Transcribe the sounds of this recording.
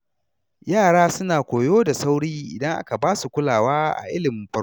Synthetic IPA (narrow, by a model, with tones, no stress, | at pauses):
jaː˦˨ɽaː˦sʊ˦naː˨kʷoː˨joː˦da˨sa˦wɽiː˦ʔɪ̰˨dɐ˦ŋʔa̰˦ka˨baː˦su˨kʷʊ˦laː˨waː˦ʔa̰˨ʔɪ˦lɪ˨mɪ˨˦mɸɐ˦